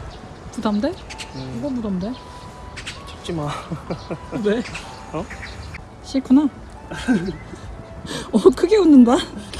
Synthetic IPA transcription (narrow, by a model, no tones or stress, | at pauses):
tudamdeiɡʌmudamde̞ | t͡ɕip̚t͡ɕ͈ima | ne | ʌ | ɕʰikʰuna | ʌkʰɯɡe̞unːɯnda